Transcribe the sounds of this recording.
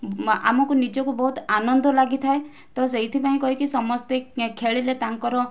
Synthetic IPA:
a̰mɔkunid͡ʒɔkubɔɦut̪anɔnd̪ɔlaɡit̪ʰae | t̪ɔseɦit̪ʰipaĩkɔɦikisɔmɔst̪ekʰeɭilet̪aŋkɔɾɔ

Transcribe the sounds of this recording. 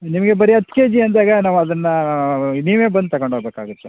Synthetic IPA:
nimɐɡe̞bɐɾiɐt̪keːd͡ʒiɐnd̪aːɡɐnaːʋuɐd̪ɐnːɐniːʋeːbɐnd̪̚t̪ɐɡoɳɖʱoːbeːkaːɡut̪ːe

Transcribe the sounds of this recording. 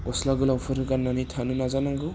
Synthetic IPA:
ɔslaɡɯlawpʰɯɾɯɡanːanitʰanɯnazanaŋɡɯ

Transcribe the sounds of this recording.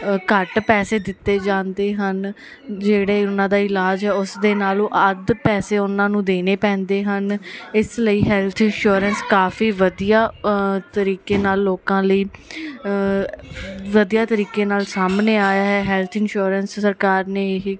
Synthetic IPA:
kəʈpɛːseːd̪ɪt̪ːeːd͡ʒãːnd̪eːɦən | d͡ʒeːɽeːʊnãːd̪aːɪlaːd͡ʒɦɛːʊsd̪eːnaːlõːʔəd̪pɛːseːʊnãːnũːd̪eːneːpɛ̃ːnd̪eːɦənɪsləiːɦɛːlt̪ʰɪnʃuːɾənskaːfiːʋəd̪ijaːt̪əɾiːkeːnaːlːoːkãːləiː | ʋəd̪ijaːt̪əɾiːkeːnaːlsaːmneːaːjaːɦɛːɦɛːlt̪ʰɪnʃuːɾənsːəɾkaːɾneː

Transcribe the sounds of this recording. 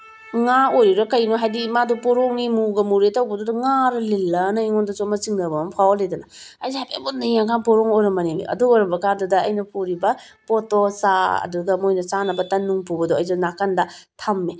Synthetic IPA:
ŋaojɾiɾɐkɐjnoɦajdimadɔpɔɾɔŋnimuɡɐmuɾetɐwbɐdodɐŋaɾɐlelːɐnɐiŋɔndɐt͡ʃɔmɐt͡ʃiŋnɐbɐmɐmpʰawolejdɐnɐ | ɐjzapḛbot̚najakanpɔɾɔŋojɾɐmɐnemḭʔɐ̰duojɾɐmbɐkaɾdɐdɐɐjnɐpʰuɾibɐ | pɔtosaɐ̰duɡɐmojnɐt͡ʃanɐbɐtɐnːuŋpubɐdɔɐjzanakɐndɐtʰɐmːe

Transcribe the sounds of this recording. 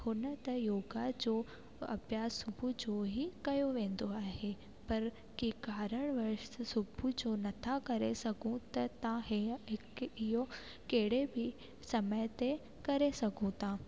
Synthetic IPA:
hʊnət̪ɐjoːɡad͡ʑoː | ɐ̰bjaːsʊbʱud͡ʑoɦikɐjoʋẽːn̆d̪oaːɦe | pɐɾ | kikaːɾəɽ̃ʋɐɾʃsʊbʱud͡ʑonɐt̪ʰakɐɾesɐɡʱũt̪ɐt̪ãɦɦɪkɪjo | keɦɪɽ̤ebʱɪ | sɐməjt̪e | kɐɾesɐɡʱũt̪ãː

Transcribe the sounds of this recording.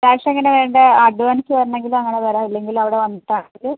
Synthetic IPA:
ɾaːʂɐeŋːɐneʋeːɳɖɨɐɖuʋɐnikʲːɨʋɐɾunːe̞ŋɡilɐŋːɐɳetɐɾaːilːe̞ŋɡilɐʋiɽe̞ʋɐnːiʈːaːɐðɨ

